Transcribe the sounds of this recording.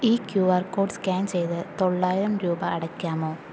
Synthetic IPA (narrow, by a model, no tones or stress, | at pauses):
iːkjuːʋɐrko̞ːɖskaːnt͡ɕe̞jt̪ɨt̪o̞ɭːaːjiɾɐmɾuːbɐːɽɐkʲːaːmo̞ː